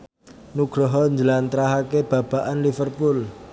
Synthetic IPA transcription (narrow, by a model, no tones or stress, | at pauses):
nuɡ̥ɾɔɦɔɲd͡ʒəlant̪ɾaɦakeb̥a̤b̥a̤ʔanlifərpul